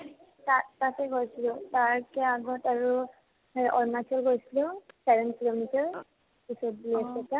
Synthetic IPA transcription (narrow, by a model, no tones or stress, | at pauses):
tatatɛɡoɹsilɛʊtaɹkɛaɡɔtaɹu | ɔ̰ɹnakʰɔlɡoɹisilɛʊsɛbɛnkilomitaɹ | pisɔt̚biiasɛta